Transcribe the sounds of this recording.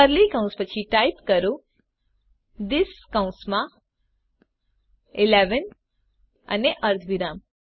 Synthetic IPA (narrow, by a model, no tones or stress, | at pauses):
əɾlikãʊ̃nspət͡ʃʰiʈajpkəɾũ | d̪ɪskãʊ̃nsmã | ɪleʋən | a̰neʔəɾt̪ʰʋiɾaːm